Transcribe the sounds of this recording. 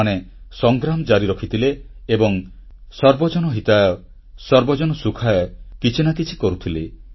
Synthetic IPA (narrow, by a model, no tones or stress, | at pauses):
anesɔŋɡɾamɔd͡ʒaɾiɾɔkʰit̪ʰileːbɔŋ | sɔɾbɔd͡ʒɔnɔɦit̪ajɔ | sɔɾbɔd͡ʒɔnɔsukʰajɔkit͡ʃʰinakit͡ʃʰi̥kɔɾut̪ʰile